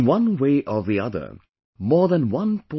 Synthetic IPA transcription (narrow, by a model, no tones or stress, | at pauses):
wʌ̃nweɪʔəvðiʌðə̰˞ | mɔːɹðə̃nwʌ̃npʰɔ